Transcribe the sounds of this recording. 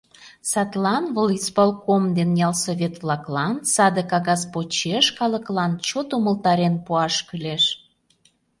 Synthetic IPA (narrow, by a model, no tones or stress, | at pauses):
sɑt̪lɑnvəlispolˠkomd̪enjɑlsoβʲet̪vlɑklɑnsɑd̪əkɑɣɑspot͡ɕeʃkɑlə̆klɑnt͡ɕot̪uməlt̪ɑɾenpuɑʃkəleʃ